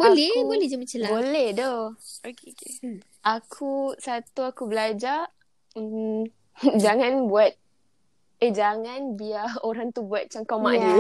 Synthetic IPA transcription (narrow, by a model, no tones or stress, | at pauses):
bolɛbolɛhd͡ʒamat͡ʃalbolɛhdaokeke | ʔakʰusat̪uakubəlad͡ʒa | d͡ʒaŋãnbuat̪̚ | ed͡ʒaŋanbiaoɾaŋt̪ubuat̪̚t͡ʃaŋkawmai